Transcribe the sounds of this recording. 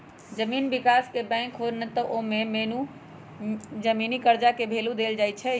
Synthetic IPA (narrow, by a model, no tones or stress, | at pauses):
d͡ʒəmiːnbikaskebɛ̃kɦonət̪əʔomemenu | d͡ʒəminikəɾd͡ʒakebʱelud̪eld͡ʒajt͡ʃʰɛ